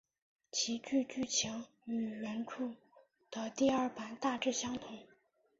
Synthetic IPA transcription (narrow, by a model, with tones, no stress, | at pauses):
t͡ɕʰi˧˥t͡ɕy˥˧t͡ɕy˥˩t͡ɕʰjɑ˧˥ŋ | y˨˩ɥə˧˥nʈ͡ʂʰu˥˩ | d̪̥ə˧˦t̪i˥˧ɐ˞˥˩pa˧˥nt̪a˥˧ʈ͡ʂɻ̩˥˩ɕjɑ˥ŋt̪ʰʊ˨˩˦ŋ